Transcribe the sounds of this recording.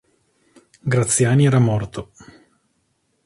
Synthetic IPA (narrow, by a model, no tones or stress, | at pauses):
ɡɾat̪sːjaːniɛːɾamɔrt̪o